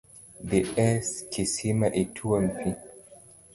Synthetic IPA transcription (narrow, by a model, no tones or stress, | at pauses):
ðiɛskʰisimaʔitʰuampʰi